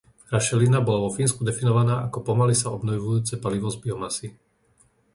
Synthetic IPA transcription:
ɾaʃɛlinabɔlaʋɔfiːnskud̪ɛfinɔʋanaːʔakɔpɔmalisaɔbnɔjʋujuːt͡sɛpaliʋɔzbiɔmasi

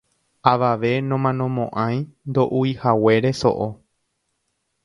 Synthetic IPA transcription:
aʋaʋe̞nõmãnõ̞mõʔãj̃nd̪o̞ʔuihawe̞ɾe̞so̞̰ʔo

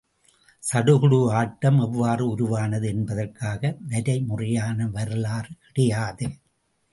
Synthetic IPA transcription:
sɐɽɯɣɯɽɯaːʈːɐmɛʋːaːrɯʊɾʊʋaːnɐðɯɛnbɐðɐrkːaːɣɐʋɐɾɐɪmʊrɐjaːnɐʋɐɾɯlaːrkɪɽɐjaːðɯ

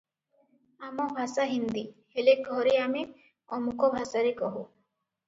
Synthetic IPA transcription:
amɔbʱasaɦind̪iheleɡʱɔɾeami | ɔmukɔbʱasaɾekɔɦu

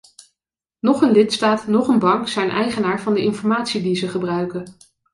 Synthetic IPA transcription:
nɔχənlɪtstaːtnɔχənbɑŋksɛjnʔɛ̰jχənaːɹvɑndəɪnfɔɹmaːtsidizəχəbrœɥkə

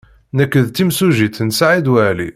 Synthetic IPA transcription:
nækːəðt̪imsuʒit̪nsaʕid̪wælḭ

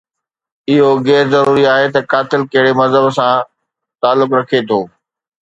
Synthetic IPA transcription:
ɪɦoɣɛːɾzɐɾuːɾiaːɦet̪ɐkaːt̪ɪlkɐɦɪɽemɐzɦəbsã | t̪aːlːʊkɾɐkʰet̪ʰoː

